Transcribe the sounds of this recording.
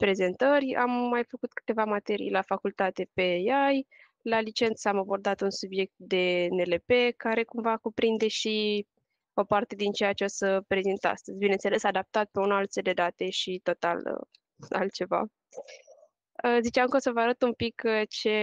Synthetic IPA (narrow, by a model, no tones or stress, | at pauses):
pɾe̞ze̞nt̪ərʲa̰mːajfəkut̪kɨ̥t̪e̞vamat̪e̞ɾḭjlafakult̪at̪e̞pe̞jaj | lalit͡ʃe̞nt̪samabo̞rd̪at̪unsubje̞k̚t̪̚d̪e̞ne̞le̞pe̞kaɾe̞kumvakupɾind̪e̞ʃi | o̞part̪e̞d̪int͡ʃejat͡ʃeosəpɾe̞zint̪a̰st̪əzʲbinensele̞sad̪ap̚t̪at̪̚pe̞unalt̪seld̪e̞d̪at̪e̞ʃit̪o̞t̪a̰lə̰ | a̰lt̪̚t͡ʃe̞va̰ | əzit͡ʃeamkəosəvəaɾət̪umpikt͡ʃe̞